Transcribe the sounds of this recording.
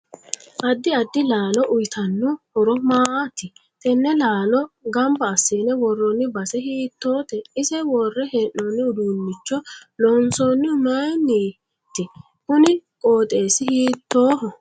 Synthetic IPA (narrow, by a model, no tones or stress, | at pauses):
ʔɐd̪ːɪɐd̪ːɪlaːnɔʔʊjt̪ɐnːʊhɔɾɔmaːt̪ɪ | t̪ɛnːɛlaːnɔɡɐmbɐːsːeːnɛwɔrːɔnːɪbɐsɛhiːt̪ːoːt̪ɛɪsɛwɔrːɛhɛnːoːnːɪʊd̪uːnːɪt͡ʃːɔlɔnsonːɪʊmɛjnːi | t̪ːɪ | hʊnɪkʼoːt̪ʼe̞ːsɪhiːt̪ːoːhɔ